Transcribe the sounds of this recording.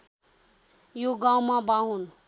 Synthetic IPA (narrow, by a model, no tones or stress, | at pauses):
joɡaw̃mabaɦun